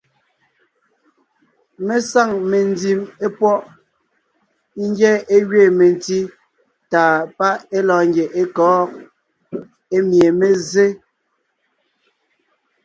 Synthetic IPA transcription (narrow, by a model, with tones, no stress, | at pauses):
me˦sa˦˨ŋme˨n˦di˦˨me˦pwɔ˦ʔ | i˦ŋ˦ɡjɛ˦e˦ɣɥe˦˨me˨n˨ti˦ | taː˨pa˦e˦lɔː˨ŋɡje˨ʔe˦kɔː˨˦ | e˦mje˨me˦ze˦